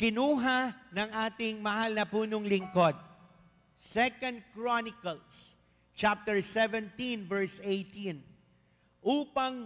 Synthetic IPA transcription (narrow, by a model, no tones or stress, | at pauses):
kɪnuːɦanɐŋaːt̪ɪŋmɐhalnɐpuːnoŋlɪŋkod̪̚ | sɛkɐnd̪̚kɹɔnɪkɐls | t͡ʃap̚t̪ɛɹsɛvɛ̃nt̪invɛɹsejt̪in | ʔuːpɐŋ